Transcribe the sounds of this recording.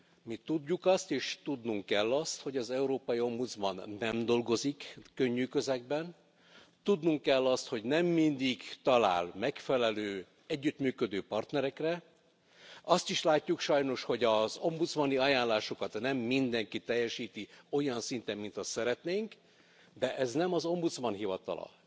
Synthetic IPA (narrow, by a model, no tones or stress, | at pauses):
mit̪udːukɒst̪eːʃt̪ud̪nuŋkːɛlːɒst̪ho̞ɟɒzɛuɾoːpɒjio̞mbud̪zmɒnːɛmd̪o̞lɡo̞zikːøɲːyːkøzɛɡbɛn | t̪ud̪nuŋkːɛlːɒst̪ho̞ɟnɛmːind̪iɡt̪ɒla̰ːlmɛkfɛlɛløː | ɛɟːyt̪myːkø̞d̪øːpɒrt̪nɛɾɛkrɛ | ɒst̪iʃlaːcːukʃɒjno̞ʃho̞ɟɒzo̞mbut̪smɒniɒjaːnlaːʃo̞kɒt̪nɛmːind̪ɛŋkit̪ɛjːɛʃiːt̪io̞jɒnsint̪ɛmːint̪ɒsɛɾɛt̪neːŋk | d̪ɛʔɛznɛmɒzo̞mbut̪smɒnɦivɒt̪ɒ̰lɒ̰